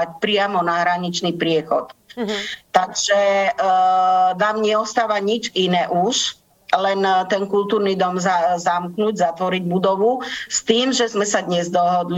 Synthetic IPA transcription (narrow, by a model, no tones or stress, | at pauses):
ac̚pɾɪamɔnaɦɾaɲit͡ʃnipɾɪɛxɔ̰t̪ | t̪aɡʒ̥ɛ | naːmɲɛɔst̪aːʋaɲid͡ʒinɛːʔuʃ | lɛnt̪ɛnkult̪uːɾnid̪ɔmzazamknuɟzat̪ʋɔɾiɟbud̪ɔʋust̪iːmʒɛzmɛsad̪ɲɛzd̪ɔɦɔd̪l